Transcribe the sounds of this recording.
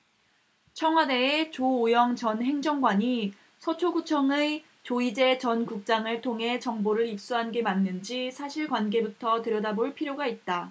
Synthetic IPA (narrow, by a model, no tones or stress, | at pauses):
t͡ɕʰʌŋɦwade̞ːt͡ɕoːjʌŋt͡ɕʌnɦe̞ŋd͡ʑʌŋɡwaɲi | sʰʌt͡ɕʰoɡut͡ɕʰʌŋe | t͡ɕoid͡ʑe̞t͡ɕʌnkuk̚t͡ɕ͈aŋɯɭtʰoŋɦe̞t͡ɕʌŋboɾɯɾip̚s͈uɦanɡe̞manːɯnd͡ʑisʰaɕʰiɭkwanɡe̞butʰʌtɯɾjʌdaboɭpʰiɾjoɡait̚t͈a